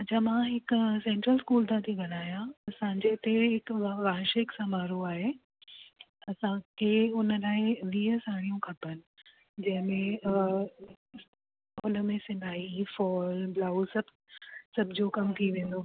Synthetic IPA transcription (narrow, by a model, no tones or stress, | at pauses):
ɐt͡ɕʰãmãɦɪksẽːɳʈɾəlskuːlt̪ʰãt̪ʰĩɡʱɐɽ̃aːjãɐsãːɲd͡ʑet̪eɦɪkʋaːɦʃɪksamaːɾoaːɦe | ɐsãkʰeʊnəlaːɪʋiːəsaːɽ̃ijũkʰɐpənɪ̆ | d͡ʑɐ̃ɦɪ̃mẽ | ʊnə̆mẽsɪ̃nb̪ʱaːifɔːlblaːusɐb | sɐbʱɪd͡ʑoːkɐmt̪ʰiʋẽːn̆d̪oː